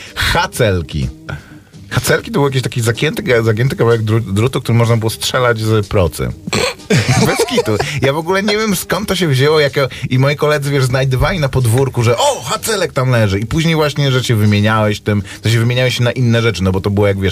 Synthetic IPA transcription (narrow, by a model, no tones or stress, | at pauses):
xat̪sɛlkʲḭ | xat̪sɛlkʲit̪ɔbɘwɔjak̬ʲiɕ̬t̪akʲizakʲjɛnt̪ɘkzak̬ʲjɛnt̪̬ɘkavawɛɡ̚d̪ɾud̪ɾut̪ukt̪uɾɘmɔʐnabɘwɔstʂɛlad͡ʑzpɾɔt̪sɛ̰ | bɛskʲit̪ujavɔɡulɛɲevʲjɛmskɔnt̪ːɔɕ̬ɛvʑewɔjakɛimɔjikɔlɛd̪zɨvʲjɛʐznajd̪ɨvalʲinapɔd̪vuɾkuʐɛʔɔxat̪sɛlɛk̚t̪amlɛʐɘipuʑɲejvwaɕɲɛʐɛɕɛvɘmʲjeɲawɛɕt̪ɘmʐ̥ɛɕ̬ɛvɘmʲjeɲawɛɕɛnaʔinːɛʐɛt͡ʂɘnɔbɔt̪ɔbɘwɔjaɡvʲjɛʂ